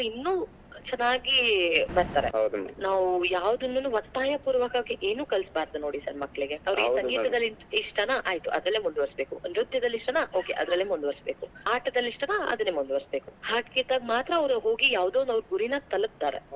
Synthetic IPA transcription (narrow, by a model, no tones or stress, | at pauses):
ɐʋɾinːuː | t͡ʃɛnːaːɡibɐɾt̪aːɾed̪naːʋujaːʋd̪ɐnːunːuʋɐt̪ːaːjɐpuːɾʋɐkaːɡeʔe̞ːnuːkɐlsbaːɾd̪uno̞ːɽisɐɾmɐkːɐɭiɡe̞ɐʋɐɾɐiːsɐɡiːt̪ɐd̪ɐlːiniʂʈɐnɐʔaːjt̪uʔɐ̰d̪ɾɐɭlːeːmund̪uʋɐɾsbe̞ːkunɾud̪jɐd̪ɐlːiʂʈɐnɐʔo̞ːkeʔɐd̪ɾɐlːeːmund̪uʋɐɾsbe̞ːkuaːʈɐd̪ɐlːiʂʈɐnɐɐ̰d̪unːemund̪uʋɐsbe̞ːkuhaːɡit̪aːɡmaːt̪ɾɐːʋɾuɦo̞ːɡijaːʋd̪oːnd̪ɐʋɾɡuɾinɐt̪ɐlɐp̚t̪aːɾḛ